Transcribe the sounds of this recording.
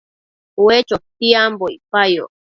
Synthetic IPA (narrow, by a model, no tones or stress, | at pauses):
uwet͡ʃok̚t̪iambojpajo̰